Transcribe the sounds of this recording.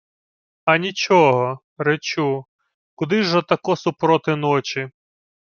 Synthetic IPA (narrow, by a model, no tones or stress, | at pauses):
ɐnʲit͡ʃɔɦɔ | ɾet͡ʃu | kʊd̪ɪʒɔt̪ɐkɔsʊpɾɔt̪ɪnɔt͡ʃi